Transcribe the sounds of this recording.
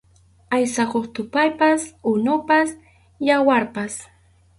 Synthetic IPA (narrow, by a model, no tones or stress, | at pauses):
ajsakoχt̪ʊpajpasʊnʊpas | jawaɾpas